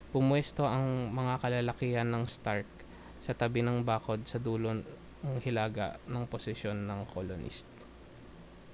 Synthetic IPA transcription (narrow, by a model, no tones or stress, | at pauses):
pʊmwɛst̪o̞ʔɐŋmɐŋakɐlɐlɐkiːhɐnːɐŋst̪aɹk̚ | sɐt̪ɐbɪnɐŋbaːko̞d̪̚sɐd̪uːlo | ɐŋhɪlaːɡɐ̰ʔnɐŋposɪʃjo̞nːɐŋkʰolonʔḭst̪̚